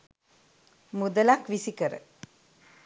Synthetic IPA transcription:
mud̪əlakʋisikəɾə̰

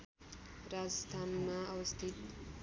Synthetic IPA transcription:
rad͡zʌst̪ʰanmaʌwʌst̪ʰit̪

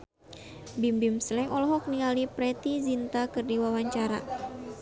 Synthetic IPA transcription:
bimbimslɛŋɔlɔɦɔk̚niŋalipɾɛt̪izint̪akɨrdiwawaɲt͡ʃaɾa

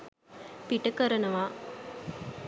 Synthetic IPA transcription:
piʈɐkɐɾɐnɐʋaː

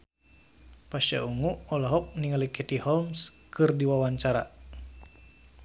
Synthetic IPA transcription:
paʃa̰uŋuɔlaɦɔk̚niŋalikɛt̪ihɔlms | kɨrdiwawaɲt͡ʃaɾa̰

